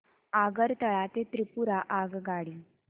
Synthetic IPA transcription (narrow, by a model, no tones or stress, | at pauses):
aɡəɾt̪əɭat̪et̪ɾipuɾaʔaɡɡaɽiː